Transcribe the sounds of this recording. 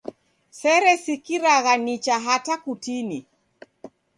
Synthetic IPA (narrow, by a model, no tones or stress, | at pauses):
sɛɾɛsikiɾaɣanit͡ʃaɦatakutini